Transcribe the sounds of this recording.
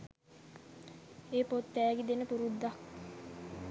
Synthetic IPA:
eːpot̪ːæːɡid̪enəpuɾud̪ːak̚

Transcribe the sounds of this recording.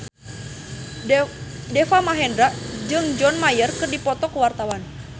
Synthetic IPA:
dɛfamaɦɛndɾaʔd͡ʒɨŋd͡ʒɔnmajərkɨrdipɔt̪ɔkəwart̪awan

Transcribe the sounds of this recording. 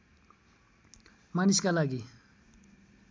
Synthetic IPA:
maniskalaɡi

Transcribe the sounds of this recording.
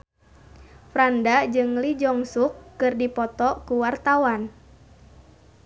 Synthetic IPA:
fɾandad͡ʒɨŋlid͡ʒɔŋsukːɨrdipɔt̪ɔkuwart̪awan

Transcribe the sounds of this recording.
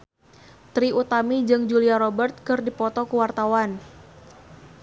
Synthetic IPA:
t̪ɾiut̪amid͡ʒɨŋd͡ʒuliaɾɔbərt̪̚kɨrdipɔt̪ɔkəwart̪awan

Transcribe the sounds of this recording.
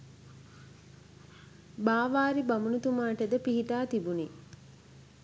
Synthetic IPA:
baːʋaːɾibamunut̪umaːʈəd̪əpiɦiʈaːt̪ibuni

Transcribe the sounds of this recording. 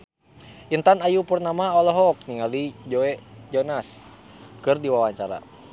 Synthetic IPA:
ʔint̪anajupurnamaɔlɔɦɔk̚niŋalid͡ʒɔɛd͡ʒɔnaskɨrdiwawaɲt͡ʃaɾa̰

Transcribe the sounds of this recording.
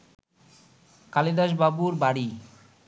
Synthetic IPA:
kalid̪aʃbabuɾbaɽi

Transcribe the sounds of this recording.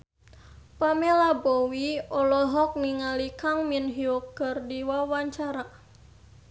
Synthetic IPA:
pamelabɔwiɔlɔɦɔk̚niŋalikaŋminɦiɔkərdiwawaɲt͡ʃaɾa

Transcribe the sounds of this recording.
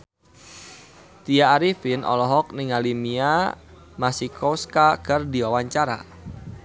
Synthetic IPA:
t̪iaːɾifinʔɔ̰lɔɦɔk̚nɪŋalimia | masikʰɔskakərdiwawaɲt͡ʃaɾa̰

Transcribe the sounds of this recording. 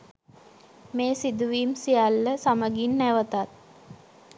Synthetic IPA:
meːsid̪uʋiːmsijalːəsaməɡinːæʋət̪at̪̚

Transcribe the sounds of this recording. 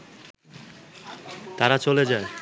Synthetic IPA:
t̪aɾat͡ɕoled͡ʑae

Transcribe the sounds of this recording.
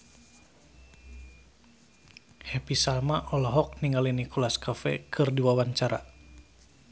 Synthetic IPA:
hɛpisalmaʔɔlɔɦɔk̚niŋɡalinikɔlaskafɛ̰kʰɨrdiwawaɲt͡ʃaɾa̰

